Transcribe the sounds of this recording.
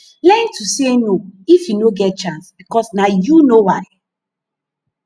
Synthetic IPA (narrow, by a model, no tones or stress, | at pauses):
lɛntusenoifjunoɡɛt̚t͡ʃãnsb̥ikɔsnajunowaɪ